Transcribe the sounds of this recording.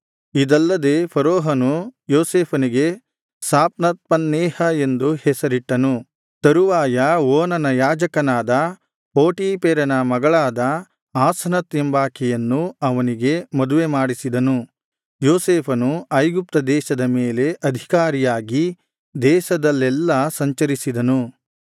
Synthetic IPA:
id̪ɐlːɐd̪e̞ːpʰɐɾoːɦɐnujoːseːpʰɐniɡe̞ | saːp̚nɐt̪̚pɐnːɛːhɐe̞nd̪uhɛsɐɾiʈːɐnu | t̪ɐɾuʋaːjɐoːnɐnɐjaːd͡ʒɐkɐnaːd̪ɐ | poːʈiːpeːɾɐnɐmɐɡɐɭaːd̪ɐ | aːsɐnɐt̪jembaːkɛjɐnːuɐʋɐniɡe̞mɐd̪uʋe̞maːɽisid̪ɐnu | joːseːpʰɐnuɐjɡup̚t̪ɐd̪ɛːʃɐd̪ɐmeːle̞ʔɐd̪ʱikaːɾijaːɡi | d̪ɛːʃɐd̪ɐlːɛlːɐsɐɲt͡ʃɐɾisid̪ɐnu

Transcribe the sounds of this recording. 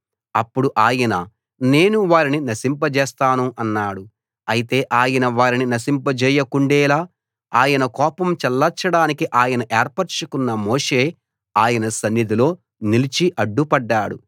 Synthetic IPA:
ɐpːuɽuʔaːjɐnɐ | ne̞ːnuʋaːɾininɐsimpɐd͡ʒɛːst̪aːnuʔɐnːaːɽu | ɐjit̪e̞ːʔaːjɐnɐʋaːɾininɐsimpɐd͡ʒɛːjɐkuɳɖɛːlaː | aːjɐnɐkɔːpɐmt͡ʃɛlːɐt͡ʃːɐɽaːnikiʔaːjɐnɐʔeːɾpɐɾt͡ʃɐkunːɐmoːʂeː | aːjɐnɐsɐnːid̪ilo̞ː | nilit͡ʃiʔɐɖːupɐɖːaːɽu

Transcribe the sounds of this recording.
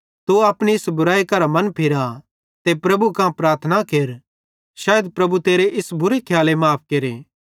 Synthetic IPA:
t̪uɐːpɽ̃iɪsbʊɾaːikɐɾamɐnpʰɪɾa | t̪epɾɐbukãpɾaːɾt̪ʰənakeːɾ | ʃaːjəd̪̚pɾɐbut̪eːɾeʔɪsbʱʊɾekʰjaːlemaːp̚ʰkeːɾḛː

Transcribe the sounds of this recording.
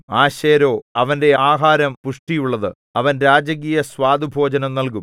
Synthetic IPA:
aːɕeːɾo̞ːɐʋɐnde̞aːɦaːɾɐmpuʂʈijuɭːɐðɨ | ɐʋɐnɾaːd͡ʑɐk̬iːjɐswaːd̪ʱibʱo̞ːd͡ʑɐnɐmnɐlk̬um

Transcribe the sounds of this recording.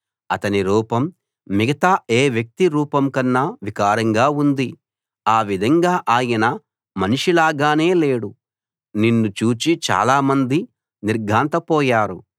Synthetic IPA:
ɐt̪ɐniɾuːpɐmː | iɡɐt̪aːeːʋjɐk̚t̪iɾuːpɐmkɐnːaʋikaːɾɐŋɡaːund̪i | aːʋid̪ʱɐŋɡaːʔaːjɐnɐ | mɐniʂilaːɡaːne̞ːle̞ːɽu | ninːut͡ʃuːt͡ʃit͡ʃa̰ːlaːmɐnd̪i | niɾɡʱaːnt̪ɐpɔːjaːɾu

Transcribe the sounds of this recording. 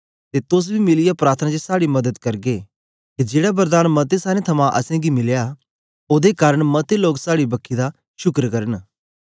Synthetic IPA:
t̪et̪ʊs̬bʱimɪlɪjapɾaːɾt̪ʰənad͡ʒesaːɽimɐd̪əd̪kɐɾɡe | kid͡ʒeːɽabɐɾd̪aːnmɐt̪esaːɾẽt̪ʰɐmãʔɐ̰sɛ̃ɡimɪlja | oːd̪ekaːɾəɽ̃mɐt̪eloːksaːɽibɐkʰːid̪a | ʃʊkɾkɐɾən

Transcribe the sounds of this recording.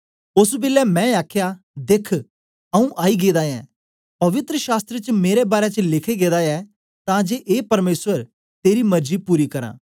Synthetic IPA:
ʊsbɪlɛmɛ̃ːaːkʰja | d̪eːkʰ | ɐũʔaːiɡeːd̪ajɛː | pɐʋɪt̪ɾəʃaːst̪ɾət͡ʃmeːɾebaːɾɛt͡ʃəlɪkʰeɡeːd̪ajɛ | t̪ãːd͡ʒeːʔeːpɐɾmeːsʋəɾ | t̪eːɾimɐɾd͡ʒipuːɾikɐɾã̰ː

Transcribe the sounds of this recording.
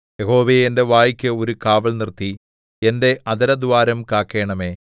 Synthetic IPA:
jeɦo̞ːʋeːjende̞ʋaːjikʲːɨo̞ɾukaːʋɐɭnirt̪i | ende̞ʔɐd̪ɐɾɐd̪uʋaːɾɐmkaːkːe̞ːɳɐme̞ː

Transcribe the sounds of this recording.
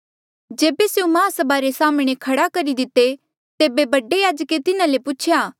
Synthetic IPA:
d͡ʒeːbeseũmãːsɐbaːɾesaːmɽ̃ekʰɐɽakɐɾid̪ɪt̪ːe | t̪eːbebɐɖejaːd͡ʒket̪ɪnãlepʊt͡ʃʰjaː

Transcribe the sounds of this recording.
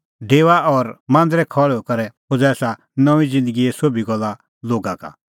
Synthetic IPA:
ɖeːʋaɔːɾmãːnd̪ɾɛkʰɔɭɛokɐɾɛ | ʊd͡zɛːsa | nɔ̃ĩd͡zɪ̃nd̪əɡiɛsobiɡɔlːa | loːɡãka̰

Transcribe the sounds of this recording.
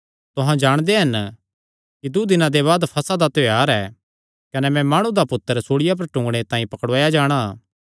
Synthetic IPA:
t̪ʊɦãd͡ʒaːɽ̃d̪eɦɐn | kid̪ud̪ɪnãd̪eβaːd̪pʰɐsad̪at̪ojaːɾɛː | kɐnɛmɛ̃maːɽ̃ũd̪apʊt̪ːəɾsoːɽɪjap̬ɐɾʈʊ̃ŋɡɽ̃et̪ãːĩpɐkɽʋaːjad͡ʒaːɽ̃a

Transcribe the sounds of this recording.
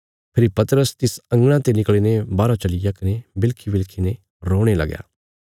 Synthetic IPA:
pʰɪɾipɐt̪əɾəst̪ɪsɐ̃ŋɡɽ̃ãt̪enɪkɭeːnebaːɾat͡ʃɐlɪjakɐnebɪlkʰibɪlkʰine | ɾoːɽ̃elɐ̰ɡja̰ː

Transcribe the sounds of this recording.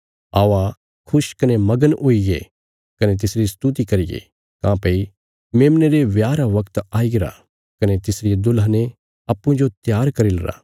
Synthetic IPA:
a̰ʋa | kʰʊʃkɐnemɐɡənʔoije | kɐnet̪̬ɪsɾist̪ut̪ikɐɾɪjḛ | kãːpɐi | meːmneɾeʋjaːɾaʋɐkt̪aːiɡɾa̰ | kɐnet̪ɪsɾɪjed̪ʊlne | ɐpːũd͡ʒot̪jaːɾkɐɾilɐɾa̰

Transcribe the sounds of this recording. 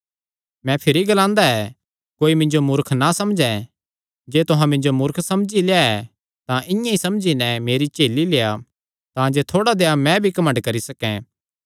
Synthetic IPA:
mɛ̃pʰɪɾiɡɐlãːnd̪aɛ | koːimɪ̃nd͡ʒomʊɾkʰnasɐmd͡ʒɛ̃ | d͡ʒeːt̪ʊɦãmɪ̃nd͡ʒomʊɾkʰsɐmd͡ʒileːaɛ | t̪ãʔɪ̃jãisɐmd͡ʒinɛmeːɾit͡ʃeːlileːja | t̪ãd͡ʒeːt̪ʰoːɽad̪eːjamɛ̃bʱikɐmə̃ɳɖkɐɾisɐkɛ̰̃

